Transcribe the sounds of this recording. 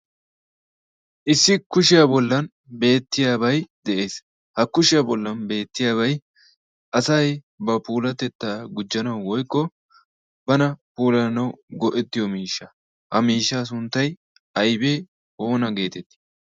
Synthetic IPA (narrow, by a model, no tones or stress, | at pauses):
ʔɪsːɪkʊʃɪjabɔlːɐn | be̞ːt̪ːɪjaːbɐjd̪ɛʔe̞ːs | hɐkːʊʃɪjabɔlːɐnbe̞ːt̪ːɪjaːβɐj | ʔɐsɐj | bɐpuːlɐt̪ɛt̪ːaːɡʊd͡ʒːɐnɐwwɔjkʼːɔ | bɐnɐpuːlɐnɐwɡɔʔɛt̪ːɪjɔmiːʃːɐ | hɐmiːʃːaːs̬ʊnt̪ːɐj | ʔɐjbeː | ho̞ːnɐɡe̞ːt̪ɛt̪ːɪ̥